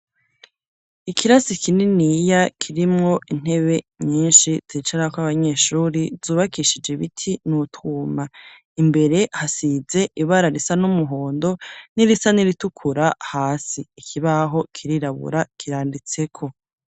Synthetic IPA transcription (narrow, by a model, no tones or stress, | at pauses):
ikʰiɾasikʰininijakʰiɾimŋo̞ʔin̥e̞βe̞ɲiːnʃiz̥iːt͡ʃaɾaakwaβaɲe̞ːʃuːɾiz̥uːβakiʃid͡ʒeβitʰinutʰuːma | imbe̞ɾe̞hasize̞ʔiβaɾaɾisanumuɦoːndo̞niɾisaniɾitukʰuɾahaːsiːkʰiβaɦo̞kʰiɾiɾaβṵɾakʰiɾaːndit͡se̞kʰo̞